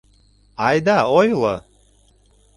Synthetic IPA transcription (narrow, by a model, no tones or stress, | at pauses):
ajd̪aojlə̰